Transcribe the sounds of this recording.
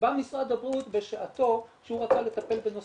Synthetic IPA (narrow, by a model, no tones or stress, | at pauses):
bamisʁad̪abʁut̪beʃeʔat̪o̞ʃehuʁat͡sale̞t̪ape̞lbeno